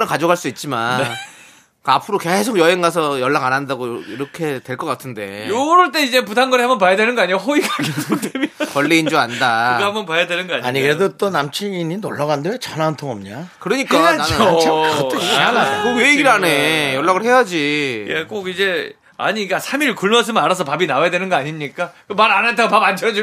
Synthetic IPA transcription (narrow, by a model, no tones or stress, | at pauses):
ɯkad͡ʑoɡɦaɭs͈uit̚t͡ɕ͈imane | kapʰɯɾoke̞sʰokjʌɦeŋɡasʰʌjʌɭːaɡanandaɡoiɾʌkʰe̞twe̞ɭk͈ʌk͈atʰɯnde̞̰joɾʌɭt͈e̞id͡ʑe̞putʰanɡʌɾiɦambʌnpajadwe̞nɯnɡʌaɲiɡaɦoiɡaɡ̚demjkwʌɭːiːnd͡ʑoandaambʌnpajadwenɯnɡʌaɲaɲiɡɾedot͈onamt͡ɕʰiiɲinoɭːaɣandeot͡ɕʌnantʰoŋʌmɲakɯɾʌɲik͈aananɯo | anakokeiɡiɾanejoɭːaɣɯɭhe̞jad͡ʑijek͈oɡid͡ʑe̞ | a̰ɲiɡasʰamiɭkuɭmʌs̬ʰɯmʌnaɾasʰʌpabinawajadwe̞nɯnɡʌaɲimɲik͈ak͈ɯmaɾanantʰeɡopaband͡ʑʰʌɾʌd͡ʑi